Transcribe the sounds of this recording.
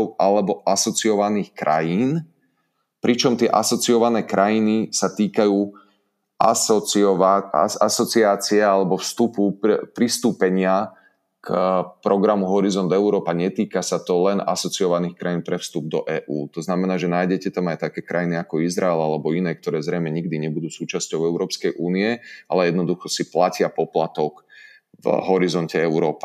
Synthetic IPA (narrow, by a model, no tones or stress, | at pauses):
ɔʊʔalɛbɔʔasɔt͡siɔʋaniːxkɾʔa̰jiːn | pɾit͡ʃɔmt̪ɪɛʔasɔt͡sijɔʋanɛːkɾʔajinisat̪iːkajuː | asɔɔaa̰asɔt͡siaːt͡siɛalɛbɔfst̪upupɾist̪uːpɛɲɪa | kpɾɔɡɾamuɦɔɾizɔnd̪ɛʊɾɔːpaɲɛt̪iːkasat̪ɔlɛna̰sɔt͡siɔʋaniːxkɾajinpɾɛfst̪ub̚d̪ɔ̰ʔɛːʔuːt̪ɔznamɛnaːʒɛnaːjɟɛcɛt̪amajt̪akɛːkɾajiniakɔizɾaɛlalɛbɔinɛːk̚t̪ɔɾɛːzɾɛjmɛɲiɡd̪iɲɛbud̪uːsuːt͡ʃascɔʊɛʊɾɔːpskɛjʔuːniɛa̰lɛjɛd̪nɔd̪uxɔsiplacɪapɔplat̪ɔk | vɦɔɾizɔncɛɛʊɾɔːpḁ